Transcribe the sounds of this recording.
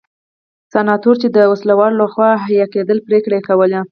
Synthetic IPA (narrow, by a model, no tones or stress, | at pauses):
sanɑt̪oɾt͡ʃed̪əwaslawɑlolaxwɑɦajɑked̪əlpɾekɽaekawəle